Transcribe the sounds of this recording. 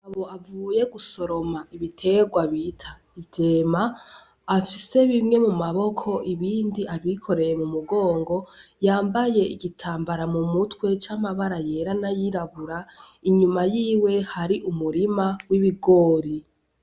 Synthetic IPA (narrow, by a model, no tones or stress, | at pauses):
aβo̞avuːje̞ɡuso̞ɾo̞maiβitʰe̞ɡwaβiːtʰa | ivjeːmaː | fise̞βimŋe̞mumaβo̞kʰo̞ʔiβiːndiʔaβikʰo̞ɾe̞je̞mumuɡo̞ːŋɡo̞jaːmbaje̞iɡitʰaːmbaɾamumutwe̞t͡ʃamaβaɾaje̞ɾanajiɾaβuɾa | iɲumajiːwe̞haɾiʔumuɾimawiβiɡo̞ːɾi